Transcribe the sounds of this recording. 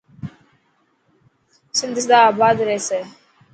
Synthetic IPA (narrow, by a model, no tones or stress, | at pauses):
sind̪is̬d̪abad̪ɾese